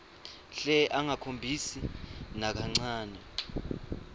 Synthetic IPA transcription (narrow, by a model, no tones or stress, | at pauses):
ɬɛʔaŋakʰombʱisinak̬aŋ͡ǀaːnɛ